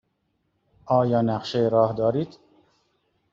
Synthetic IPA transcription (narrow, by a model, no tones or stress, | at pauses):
ɒːjɒːnæqʃejɾɒːhd̪ɒːɾiːd̪